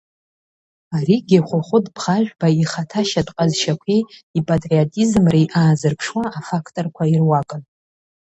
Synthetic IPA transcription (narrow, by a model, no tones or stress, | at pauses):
aɾiɡʲiχʷʊχʷʊdʼbʰχaʒᶣʷbaiχatʰaʃatʼqʼazʃakʷʰiipʼatʼriatʼizmrijʔaːzɨrpʰʂwaʔːfakʰtʼorkʷʰairwakʼɨn